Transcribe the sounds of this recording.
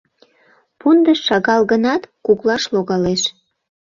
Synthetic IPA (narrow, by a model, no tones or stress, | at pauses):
pund̪əʃʃɑɣɑlɣənɑt̪kuklɑʃloɣɑleʃ